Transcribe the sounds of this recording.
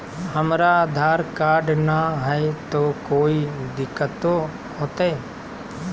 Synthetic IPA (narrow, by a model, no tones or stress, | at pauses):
ɦəmɾad̪ʱaːɾkaːɾɖnaɦɛt̪oːkoːid̪ɪkːət̪o | ɦoːt̪ae